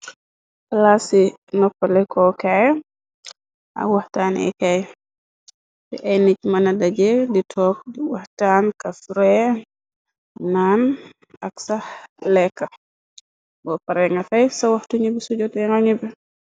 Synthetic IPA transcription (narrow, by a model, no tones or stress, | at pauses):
kɐlasinɔpːɐlɛkʰɔkɛj | ʔɐ̰wɐhtaːnɛ̰kɛj | tɛ̰ʔɛjnic̚mɐnɐdɐɟɛditʰɔːk̚diwɐhtankɐfɾɛ | nan | ɐksɐhlɛkːɐ | bɔpɐɾɛŋɡɐfɐjsɐwɐhtuɲubisuɟɔtɛŋɐɲubi